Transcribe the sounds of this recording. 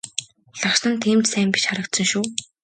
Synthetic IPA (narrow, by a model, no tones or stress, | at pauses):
ɮaʃnə̆nt̪ʰiːmt͡ɕsæːmpi̥t͡ɕχaɾə̆k̚t̪sɵ̆ŋʃuː